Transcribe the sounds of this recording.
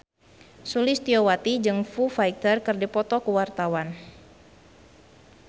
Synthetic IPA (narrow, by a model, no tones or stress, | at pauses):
sulɪst̪iɔwat̪id͡ʒɨŋfufajkt̪ərkɨrdipɔt̪ɔkəwart̪awan